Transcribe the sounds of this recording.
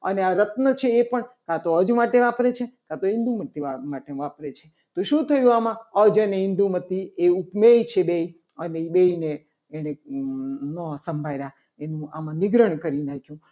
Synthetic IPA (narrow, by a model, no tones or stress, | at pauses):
ə̰neaɾət̪nət͡ʃʰeːpəɳkãt̪oəd͡ʒmaʈeʋapɾet͡ʃʰekãt̪oĩnd̪umət̪iamaʈeʋapɾet͡ʃʰe | t̪oʃũt̪ʰəjũamãəd͡ʒəneɪ̃nd̪umət̪ieupmet͡ʃʰebei | ənebeineː | ɽ̃e | nəsəmbʱajɾa | enũamãnɪɡɾəɳkəɾinakʰjũ